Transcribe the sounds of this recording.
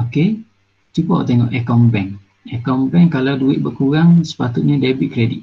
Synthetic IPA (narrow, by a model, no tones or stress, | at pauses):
oke | t͡ʃupɔ̰ʔt̪eŋɔ̰ʔɛkɔmbɛŋ | ɛkɔmbɛŋkalawduɪʔ̪̚bərkuɾaŋsə̥pat̪ut̪̚ɲĩdebit̪̚kɾedḭt̪̚